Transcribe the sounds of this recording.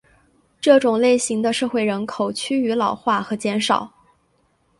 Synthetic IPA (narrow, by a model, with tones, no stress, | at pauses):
ʈ͡ʂɤ˥˩ʈ͡ʂʊ˨˩ŋle˥˩ɪɕi˧˥ŋd̪ə˧ʂɤ˥˧xwe˥˩ɪɻə˧˥nkʰo˨˩ʊt͡ɕʰy˥y˧˥lɑ˨˩ʊxwa˥˩xɤ˧˥t͡ɕjɛ˧˥nʂɑ̰˨˩˦ʊ